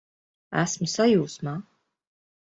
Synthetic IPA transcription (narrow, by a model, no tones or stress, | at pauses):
æsmsajuːsmaː